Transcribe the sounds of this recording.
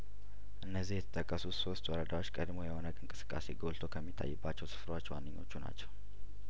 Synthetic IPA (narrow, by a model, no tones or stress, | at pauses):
ʔɨnːəzːihjɛt̪ʰə̥t̪ʼəkʼːəsuso̞st̪wɔɾəd̪awot͡ʃːkʼəd̪mojɛho̞nəɡʼɨnŋkʼɨsɨ̥kʼːase̞ɡolt̪ʰo̞kʰəmːit̪ʰːa̰jːɪbːat͡ʃːɛwsɨ̥fɾwat͡ʃːwa̰nːɨɲːo̞̰t͡ʃːuna̰t͡ʃːɛw